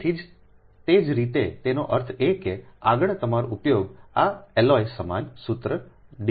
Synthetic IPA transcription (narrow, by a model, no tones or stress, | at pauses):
t̪ʰid͡ʒ | t̪ed͡ʒɾit̪et̪enoʔəɾt̪ʰekeaɡəɳ̃t̪əmaɾoupjoɡaɛlɔjsəmansʊt̪ɾəɖi